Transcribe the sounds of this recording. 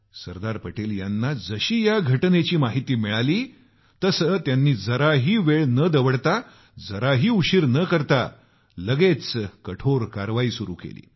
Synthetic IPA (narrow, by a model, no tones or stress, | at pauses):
səɾd̪aɾpəʈeljanːad͡zəɕiːjaɡʱəʈnet͡ɕiːmaɦit̪iːmiɭaliː | t̪əsət̪janːiːd͡zəɾaɦiːʋeɭnəd̪əʋəɽt̪a | d͡zəɾaɦiːuɕiɾnəkəɾt̪a | ləɡet͡skəʈʰoɾkaɾʋaiːsuɾṵːkḛlḭː